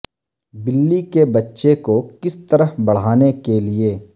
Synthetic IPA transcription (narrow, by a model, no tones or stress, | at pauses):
bɪlːikebɐtːʃekokɪst̪ɐɾəɦbɐɽ̤aːnekelieː